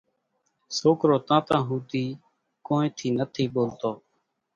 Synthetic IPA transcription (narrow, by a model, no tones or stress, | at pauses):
soːkɾoːt̪ãːp̪ãːɦuːt̪iː | koːnẽːt̪ʰiːnət̪ʰiːɓoːlt̪oː